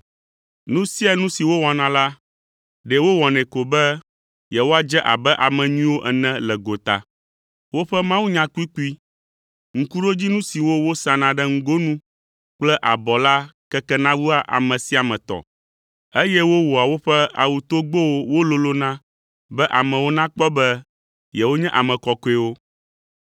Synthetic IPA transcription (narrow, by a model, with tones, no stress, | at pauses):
nũ˦si˦a˨nũ˦si˨wo˦wɔ˨nã˨la˦ | ɖɛ˨wo˦wɔ˨nɛ̃˨ko˨bɛ˦ | jɛ˨wo˦a˨d͡ʒɛ˦ʔa̰˨bɛ˦ʔa˨mɛ̃˨ɲĩ˦wo˦ʔɛ˨nɛ̃˦lɛ˨ɡo˨t̪a̰˨ | wo˦ɸɛ˦mã˦wu˦ɲã˦ku˦i˦ku˦i˦ | ŋ̩˨ku˦ɖo˦d͡ʑi˦nũ˦si˨wo˦wo˦sã˨nã˨ɖɛ˦ŋ̩˦ɡo˦nũ˦ | k͡plɛ˦ʔa˨bɔ˨la˦kɛ˦kɛ˦nã˦wu˦a˨ʔa̰˨mɛ̃˨si˦a˨mɛ̃˨t̪ɔ̰˨ | e˦jɛ˦wo˦wo˨a˨wo˦ɸɛ˦a̰˨wu˨t̪o˦ɡ͡bo˦wo˦wo˦lo˦lo˦nã˦ | bɛ˦ʔa˨mɛ̃˨wo˦nã˦k͡pɔ˦bɛ˦ | jɛ˨wo˦ɲɛ̃˦ʔa˨mɛ̃˨kɔ˨ko˦e˨wo˦